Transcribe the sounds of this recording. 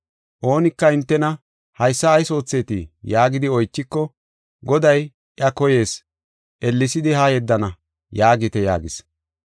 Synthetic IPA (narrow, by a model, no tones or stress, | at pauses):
ʔo̞ːnɪkːɐɪnt̪ːɛnɐ | hɐjsːɐːjso̞ːt͡sːe̞ːt̪ijaːɡɪd̪ɪɔjt͡ʃːɪkːɔ | ɡɔd̪ɐj | ʔɐkɔje̞ːs | ʔɛlːɪsɪd̪ɪhɐjɛd̪ːɐnɐ | jaːɡɪt̪ɛja̰ːɡɪs